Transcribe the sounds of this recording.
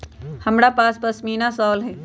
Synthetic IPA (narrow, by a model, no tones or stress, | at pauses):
həmɾapaːspəsmiːnasɔːlɦɛ̃ː